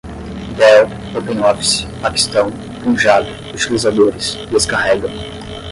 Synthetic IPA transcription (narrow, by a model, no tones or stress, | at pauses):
vɛ | popẽnɔfsɪ̥paki̥st̪ɐ̃w̃ | kũʒab̪ʊ | ut͡ʃilizad̪oɾɪsd̪eskaɦɛɡɐ̃w̃